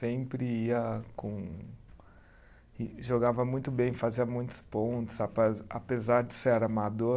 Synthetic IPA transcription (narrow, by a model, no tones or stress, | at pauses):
sẽpɾɪiɐkõ | iʒoɡavɐmũj̃t̪ʊbẽj̃faziɐmũj̃t̪ʊ̥spõnt̪ʊ̥zapɛapezaɾd͡ʒɪseɛɾɐmad̪o